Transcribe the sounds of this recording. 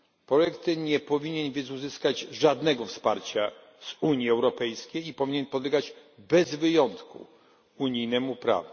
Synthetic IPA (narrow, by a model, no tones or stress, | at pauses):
pɾɔjɛkt̪ɲɛpɔvʲiɲɛnvʲɛzuzɘskad͡ʑʐad̪nɛɡɔfspaɾt͡ɕa | z̥uɲjiɛwɾɔpɛjskʲejipɔvʲiɲɛnpɔd̪lɛɡad͡ʑbɛzvɘjɔnt̪kʰṵ | uɲijnɛmupɾa̰vu